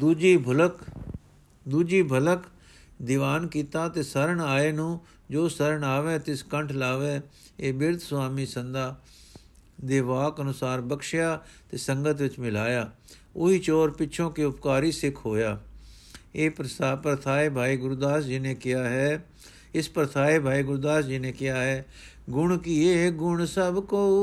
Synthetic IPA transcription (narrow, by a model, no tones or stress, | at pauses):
d̪uːd͡ʒiːbʱlək | d̪uːd͡ʒiːbʱələk | d̪ɪʋaːnkiːt̪aːt̪eːsəɾəɳaːeːnũː | d͡ʒoːsəɾəɳaːʋɛ̃ːt̪ɪskəɳʈʰlaːʋɛ̃ː | eːbɪɾt̪sʋaːmiːsənd̪aː | d̪eːʋaːkənʊsaːɾbəkʃjaːt̪eːsəŋɡət̪ʋɪt͡ʃmɪlaːjaː | ʊiːt͡ʃɔːɾpɪʃʰõːkiːʊpkaːɾiːsɪkʰɦoːjaː | eːapɾət̪ʰaːeːbʱaːiːɡʊɾd̪aːsd͡ʒɪnẽːkɪjaːɦɛː | ɪspɾət̪ʰaːeːbʱaːiːɡʊɾd̪aːsd͡ʒɪnẽːkɪjaːɦɛː | ɡʊɳkieːɡʊɳsəbkoː